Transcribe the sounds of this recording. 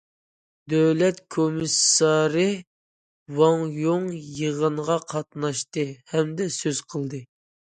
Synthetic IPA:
d̪øwlɛt̪kʰomɨsːɑɾɨ | wɑŋjoŋjəʁəɴʁɑqʰɑt̪̚nɑʃt̪ɨhɛmd̪ɛsøz̥qʰəlˠd̪ɨ

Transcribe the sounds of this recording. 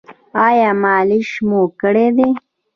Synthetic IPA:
ɑːjɑːmɑːliʃmokəɽed̪e

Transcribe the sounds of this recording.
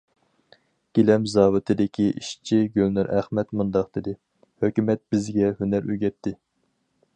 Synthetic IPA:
ɡ̥ʲelɛmzɑːwɨt̪ʰɨd̪ɪkʲʰiʔḭʃt͡ʃʰiɡʲølnyɾʔæ̰χmɛt̪mund̪ɑqd̪ɪd̪ɪ | høkʲymɛt̪̚b̥ɪzɡʲɛhønæɾyɡʲɛt̪ʰːɪ

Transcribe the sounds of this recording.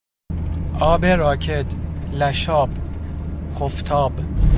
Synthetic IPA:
ʔɒːbeɾɒːcʰet̪ʰlæʃɒːb | xoft̪ʰɒːb

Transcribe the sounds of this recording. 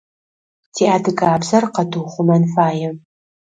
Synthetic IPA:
tʰiːadɨɡʼaːbzɐrqɐdʰuχʷʊmɐnfaːjɛ

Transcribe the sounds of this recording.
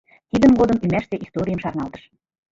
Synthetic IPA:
t̪id̪ə̆nɡod̪ɤmymæʃt̪eʔist̪oɾʲijəmʃɑrnɑlt̪ə̥̆ʃ

